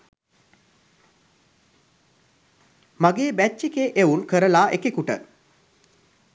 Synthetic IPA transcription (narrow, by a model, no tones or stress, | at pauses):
maɡeːbæt͡ʃːikeʔeunkəɾəlaːʔekekuʈə̰